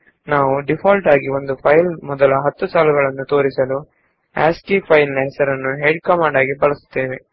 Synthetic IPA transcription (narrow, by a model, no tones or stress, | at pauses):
naːʋuɖipʰaːlʈaːɡio̞nd̪upʰɐjlmɔd̪ɐlɐɦɐt̪ːusaːluɡɐɭɐnːut̪o̞ːɾisɐlu | a̰ːsʈiːpʰɐjlnɐɦɛsɐɾɐnːuɦeɖkɐmaːɳɖaːɡibɐɭɐsu̥t̪ːeːʋe